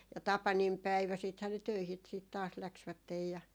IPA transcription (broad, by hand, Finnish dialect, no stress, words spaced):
jɑ tɑpɑnimpæiʋæ siːthæː ne tøihi siːt tɑːs læksʋætːej jɑ